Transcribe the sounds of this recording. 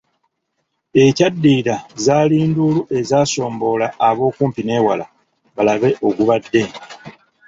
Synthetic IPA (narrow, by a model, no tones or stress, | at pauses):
e̞cadːiːɾazaːliːnduluʔe̞zaːso̞ːmbo̞laːβo̞ːkuːmpine̞ːwala | βalaβe̞ʔo̞ɡuβadːe̞